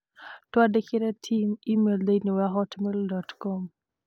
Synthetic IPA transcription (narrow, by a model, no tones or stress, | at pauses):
twadekɪɾɛtʰimimeldeniwɛɦɔtmildɔtkɔm